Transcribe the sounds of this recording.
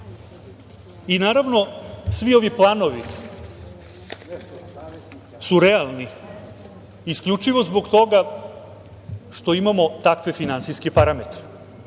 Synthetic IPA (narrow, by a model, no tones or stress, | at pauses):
inaːɾaʋno̞sʋio̞ʋiplˠaːno̞ʋi | suɾealˠni | iskʎʲut͡ʃiʋo̞zboɡt̪o̞ɡa | ʂt̪o̞imamo̞t̪akʋe̞finant̪siskepaɾamet̪ɾe